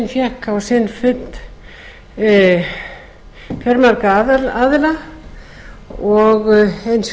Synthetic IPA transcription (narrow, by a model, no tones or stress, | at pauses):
nfjɛhkʰawsɪnfʏt̪n | fjœɾmaɾkaðaðɪla | ɔɣejns